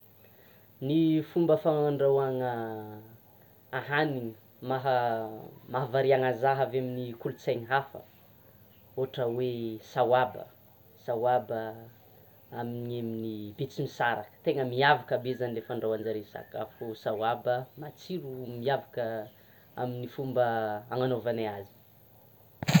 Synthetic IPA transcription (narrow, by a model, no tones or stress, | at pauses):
nifumbəfaŋaɳɖ͡ʐawaŋə | aɦaniŋə | maɦ | maɦavaɾiaŋazaɦaveminikulut͡sajŋiɦafə̰ | oʈ͡ʂəwesawabə̰ | sawabə | amineminibet͡simisaɾa̰kə̥t̪eŋəmiavakabezanlefəɳɖ͡ʐawand͡ʒaɾesa̰kafusawabəmat͡siɾumiavakə | a̰minifumbəaŋanovaneazi̥